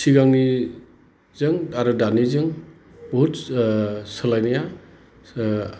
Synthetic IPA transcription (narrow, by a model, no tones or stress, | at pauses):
siɡaŋni | zɯŋaɾɯdanizɯŋ | bɔɦut | sɯlajnaja